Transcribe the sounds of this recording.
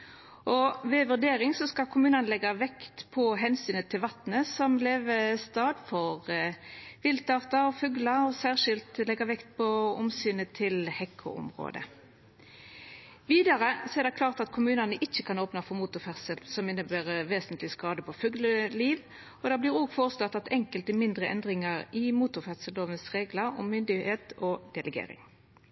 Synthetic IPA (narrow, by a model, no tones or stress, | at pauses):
ʔɔʋeːʋʉʁd̪eːʁɪŋsɔskɑkʰʊmʉːnɑnəlɛɡɑʋɛkt̪pʰɔɦɛnsyːnət̪ʰɪlʋɑt̪nəsɔmleːʋəst̪ɑːd̪fɔʁ | ʋɪlt̪ɑːʁt̪ɑɔfʉːɡlɑɔsæːʁʂɪlt̪lɛɡɑʋɛkt̪̚pʰɔʊmsyːnət̪ʰɪlhɛkʰʊ̰ʊ̰mʁo̰ːd̪ə̰ | ʋiːd̪ɑʁəsɔɛʁd̪ɛkʰlɑːʁt̪ɑt̪kʰʊmʉːnɑnəʔɪçːəkʰɑnoːpnɑfɔmuːt̪ʊʁfɛʁsəlsɔmɪnːəbæːʁəʋeːsənt̪lɪskɑːd̪əpʰɔføːɡləliːʋ | ɔd̪ɑːblɪːɾoːɡfoːʁəslɑt̪ːɑt̪ɛŋkəlt̪əmɪnd̪ʁəɛ̰nd̪ʁɪŋəʁɪmuːt̪ʊʁfæʁsəloːʋənsʁeːɡləɾɔ̰mːʏnd̪ɪheːt̪ɔd̪̥ɛləɡḛːɾɪ̰ŋ